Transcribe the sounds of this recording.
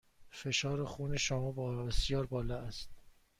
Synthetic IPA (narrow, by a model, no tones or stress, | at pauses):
fe̞ʃɒːɾexuːneʃomɒːbbesjɒːɾbɒːlɒæst̪̚